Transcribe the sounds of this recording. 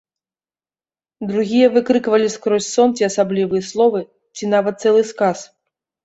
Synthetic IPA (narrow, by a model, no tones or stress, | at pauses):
d̪ɾuɣʲijɐvɨkɾɨkvɐlʲiskɾɔsʲsɔnt͡sʲiɐsablʲivɨjɐslˠɔvɨ | t͡sʲinavɐt̪̚t̪sɛlˠɨskas